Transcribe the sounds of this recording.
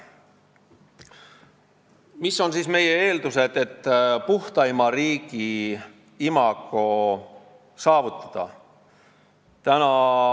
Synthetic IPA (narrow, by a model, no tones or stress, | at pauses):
misːo̞nsiːsme̞je̞e̞ːld̪use̞d̪e̞t̪ːpuht̪ɑimɑɾiːɡ̥i | imɑɡ̥o | sɑːvut̪ːˑɑ̥d̪̥ɑ̰ | t̪ænɑ